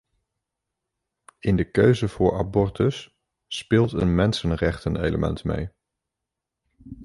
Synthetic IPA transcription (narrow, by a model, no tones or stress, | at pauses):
ɪndəkøɥzəv̥ʊːɹa̰bɔɹtəsː | pɪːlˠtənmɛnsənrɛχtənḛjləmʔɛ̰ntmḛj